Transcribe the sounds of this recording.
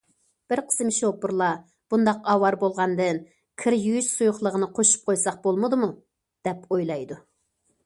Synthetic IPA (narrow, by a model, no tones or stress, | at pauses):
b̥ɪɾqʰə̥smʃopːuɾlˠɑ | b̥und̪ɑqɑwɑɾbolˠʁɑnd̪ɨn | kʲʰɪɾjyyʃsujʊχlˠəʁənɨqʰoʃu̥p̚qʰojsɑq̚bolˠməd̪ɨmu | d̪̥ɛpojlˠɑjd̪u